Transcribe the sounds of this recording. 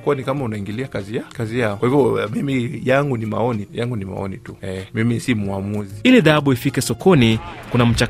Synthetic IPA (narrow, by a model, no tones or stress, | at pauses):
kuwanikamaunaiŋɡiliakazijakazijaɔkwahivjɔmimijaŋɡunima̰ɔnijaŋɡunima̰ɔ̰nituɛmimisimuamuziiliðaaɓuifikɛsɔkʰɔnikunam̩t͡ʃa